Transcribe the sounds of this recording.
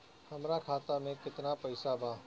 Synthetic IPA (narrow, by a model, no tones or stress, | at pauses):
hɐmɾakʰaːt̪amẽkɪt̪napɐɪsabʱaː